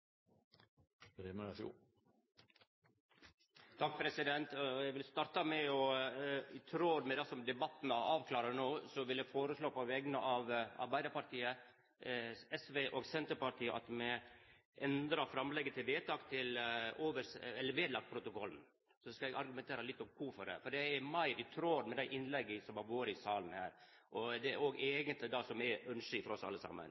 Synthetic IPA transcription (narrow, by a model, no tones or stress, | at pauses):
ɾɛməfṵː | t̪ʰɑk̚ːpʰɾɛsɪd̪ɛnt̪jɛɡʋɪlst̪ɑːɾt̪ɑmɛɔ | ɪt̪ʰɾoːd̪mɛd̪ɛsɔmd̪ɛbɑt̪ːnəɑːʋkʰlɑːɾənoːsɔʋɪljæfoːɾəsloːpɔʋɛɡnəʔɑʋɑ̰ɾbæɪd̪əɾpɑɾʈ̪ʰiːə | ɛsʋeːʔoːɡsɛnt̪əɾpɑɾʈ̪ʰiːəʔɑ̰t̪mɛ | ʔɛnd̪ɾɑfɾɑmlɛɡːət̪ɪlʋeːt̪ɑːkt̪ʰɪloːʋəɾɛlːəɾʋeːd̪lɑk̚t̪pʰɾʊt̪ʊkʰɔln̩ | sɔskɑɛɡɑɾɡʉmɛnt̪ʰeːɾəlɪt̪ːɔmkʰufɔɖɛ̰fɔɖɛɛɾmæɪɾɪt̪ʰɾoːd̪mɛd̪æɪʔɪnːlɛɡːəsɔmhɑɾʋoːɾəɪsɑːln̩hæ̰ːɾʔɔd̪ɛoːɡeːɡənt̪lɪd̪ɑsɔmɛœnʂɪfɔɾɔsɑ̰lːəsɑ̰mːə̰n